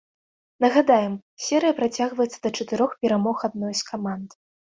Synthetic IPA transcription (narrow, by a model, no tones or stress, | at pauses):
nɐɣad̪ajɛmsʲɛɾɨjɐpɾat͡sʲaɣvɐjɛt̪sːɐd̪ɐt͡ʂɐt̪ɨɾɔxpʲɛɾamɔxad̪̚nɔjskʰamand̪